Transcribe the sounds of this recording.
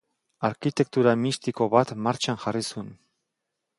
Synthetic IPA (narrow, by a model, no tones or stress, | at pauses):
aɾkit̪e̞k̚t̪uɾamist̪iko̞βat̪maɾt͡ʃanʝarisun